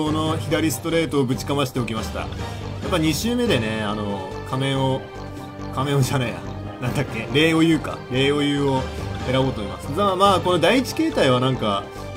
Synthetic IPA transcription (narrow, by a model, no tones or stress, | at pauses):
ono̞çid̪aɾʲisɨ̥t̪o̞ɾe̞ːt̪o̞ːbɯ̟t͡ɕi̥kamaɕi̥t̪e̞o̞kʲimaɕi̥t̪a̰ | japːaɲ̟iɕɨːme̞d̪e̞ne̞ano̞ | kʰame̞o | kamẽ̞oʑanejã̰ | nãnd̪akʲːe̞ɾe̞ːo̞jɯ̟ːka̰ɾe̞ːo̞jɯ̟ːoe̞ɾabo̞ːt̪oimasɨ̥zamaːko̞no̞d̪aiit͡ɕi̥ke̞ːt̪aiβanãŋka